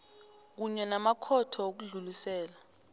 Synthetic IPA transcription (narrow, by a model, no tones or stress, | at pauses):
k̬uɲɛnamakʰɔtʰɔok̬uɮulisɛːla